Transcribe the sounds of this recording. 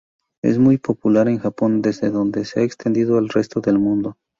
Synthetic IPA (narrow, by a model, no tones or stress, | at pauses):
ḛzmujpo̞pulaɾe̞ŋxapo̞nd̪e̞zðe̞ðo̞nd̪e̞seaekst̪e̞nd̪iðoalre̞st̪o̞ðe̞lmũnd̪o̞